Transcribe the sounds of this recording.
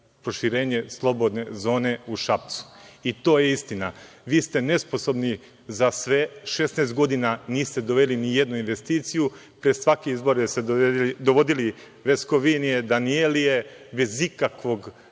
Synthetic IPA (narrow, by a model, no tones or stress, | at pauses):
pɾo̞ʃiɾe̞ːɲe̞slˠo̞bo̞d̪ne̞zo̞ːne̞uʃapt̪su̥it̪o̞ːjeist̪ina | ʋiːst̪e̞ne̞sposo̞bni | zasʋe̞ʃe̞snaːst̪̚ɡo̞d̪inaniːst̪e̞d̪o̞ʋelinijed̪nuinʋe̞st̪iːt̪siju | pɾesʋakeizbo̞ɾeseoid̪oʋo̞d̪ili | ʋesko̞ʋinied̪anielijebe̞zikakʋo̞ɡ